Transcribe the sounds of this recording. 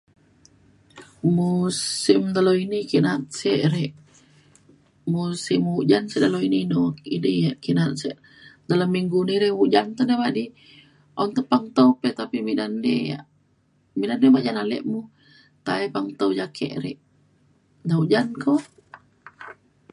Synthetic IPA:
musimd̪aloinikiʔnat̪̚sɛʔɾɛʔ | musimhuʔd͡ʒanseʔd̪aloininoidijaʔkiʔnat̪̚sɛʔ | dalamːiŋɡuniɾɛhuʔd͡ʒant̪onemadi | ʔant̪əpaŋt̪owpɛt̪apimidandḛja̰ʔ | midandebaʔd͡ʒanalɛ̰ʔmu | t̪aɛpaŋt̪owd͡ʒakʰɛ̰ʔɾɛ̰ʔ | dauʔd͡ʒanko

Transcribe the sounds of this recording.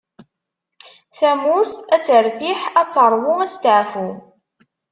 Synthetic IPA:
θæmʊɾθæt͡sːəɾθiħæt͡sːəɾˤwʊæst̪ʕfu

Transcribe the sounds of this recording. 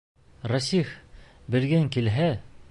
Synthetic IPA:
rasif | bɘ̆ɾɡæŋkilɦæ

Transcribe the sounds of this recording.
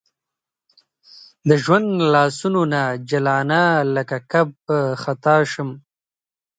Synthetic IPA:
d̪əʒwand̪lɑːsunonad͡ʒalɑːnaləkakab̚əxat̪ɑʃəm

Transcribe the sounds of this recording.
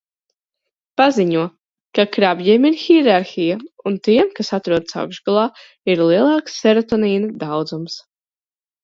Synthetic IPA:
paziɲuɔ | kakɾabjiɛmiɾxiɾaɾxijaunt̪iɛmkasat̪ɾuɔd̪sa̰wɡʒɡalˠɑː | iɾlˠiɛlˠɑːksːɛɾɔt̪ɔniːnɐd̪awd̪zums

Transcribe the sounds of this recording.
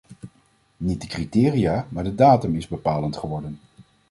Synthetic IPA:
nit̚dəkritɪːriaːmaːɹdədaːtɵmɪzbəpaːləntχəʋɔɹdən

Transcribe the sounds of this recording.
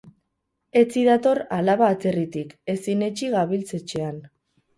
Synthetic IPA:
e̞t͡siðat̪o̞ɾalaβaːt͡se̞rit̪ike̞sine̞t͡ʃiɣaβilt͡se̞t͡ʃean

